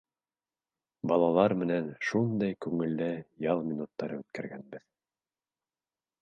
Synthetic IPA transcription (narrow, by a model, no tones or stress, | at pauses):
bɑlˠɑlˠɑɾmɘ̆nænʃund̪ɑjkʉŋɘ̆lːæjɑlˠmʲinut̪ːɑɾɤʉt̪kæɾɡænbɘð